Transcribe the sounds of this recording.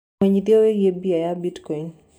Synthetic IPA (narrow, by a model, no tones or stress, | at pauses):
eɲitjoweɡebiajabitkɔɲ